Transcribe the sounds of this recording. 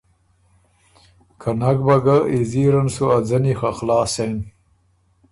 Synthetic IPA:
kʰanaɡbaɡaiziɾansuad͡zanixaxlɑːsen

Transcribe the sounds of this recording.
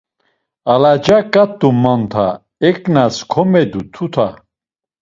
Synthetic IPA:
alad͡ʒakʼat̪ːumant̪ʰa̰ | ɛkʼnaskʰɔmɛd̪ut̪ʰut̪ʰa

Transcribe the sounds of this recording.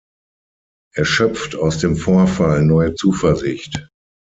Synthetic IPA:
ʔɛɐʃœpp͡ftʰaʊsd̥eːmfoːɐfalnɔʏət͡suːfɛɐzɪçt

